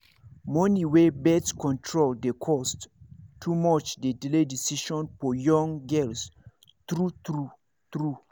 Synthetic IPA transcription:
mɔ̃niwebɛtskʰɔ̃ntʰɹold̪ekʰɔsttʰːumɔt͡ʃdediledisiʃɔ̃nfɔjɔ̃ŋɡɛls | t̪ɹutɹu | t̪ɹu

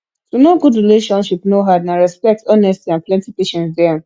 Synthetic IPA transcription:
tonoɡudɹileʃɔ̃nʃipnoɦadnaɹɛspɛk̚tɔnɛstiãnplɛ̃ntipeʃɛ̃nsdɛ

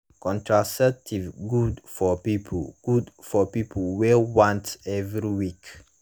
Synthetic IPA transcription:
kʰɔ̃ntʰɹasɛtʰivɡudfɔpipʰɡ̥udfɔpipʰl̩wɛlwãntɛvɹiwik

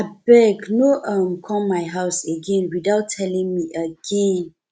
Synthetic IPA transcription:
abɛɡnoʔamkʰɔ̃mmaɪɦaʊseɡẽnwidaʊtʰːɛlĩŋmiʔəɡẽn

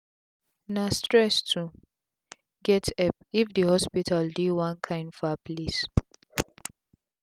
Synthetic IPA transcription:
nastɹɛstʰu | ɡɛtɛp̚ifdəhɔspitʰaldiwãnkʰãɪ̃nfɔplis

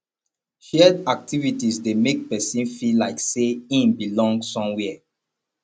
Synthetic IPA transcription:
ʃɛdak̚tivitisdemek̚pɛsĩnfilaɪkseĩnbilɔ̃ŋɡsɔ̃mwɛ

